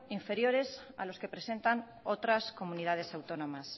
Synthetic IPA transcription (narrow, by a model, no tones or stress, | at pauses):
iɱfe̞ɾjo̞ɾe̞sa̰lo̞ske̞pɾe̞se̞nt̪an | o̞t̪ɾasko̞munið̞að̞e̞sawt̪o̞nõ̞mas